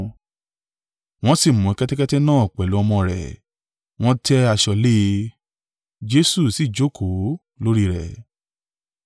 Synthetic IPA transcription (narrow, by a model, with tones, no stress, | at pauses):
w̃ɔ̃˦si˦˨mũ˨ɛ˧kɛ˦tɛ˦kɛ˦tɛ˦nãː˦˨ɔ˨k͡pɛ˨lo˨˦ɔ˧mɔ̃˧ɾɛ̰˨ | w̃ɔ̃˦tɛ˦a˧ʃɔ˧le˦ | d͡ʒe˦su˦˨si˨d͡ʒo˨˦kʰo˨˦ | lo˦ɾi˦ɾɛ˨